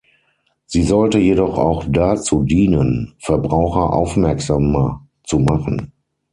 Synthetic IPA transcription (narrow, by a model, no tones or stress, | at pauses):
z̥iːzɔltəjedɔχa̰ʊxd̥at͡suːdiːnənfɛɐbʁaʊxɐʔa̰ʊfmɛɐkz̥amɐ | t͡sumaχn̩